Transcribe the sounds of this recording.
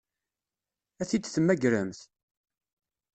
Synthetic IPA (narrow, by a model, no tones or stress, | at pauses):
æθid̪θmːæɡɾəmθ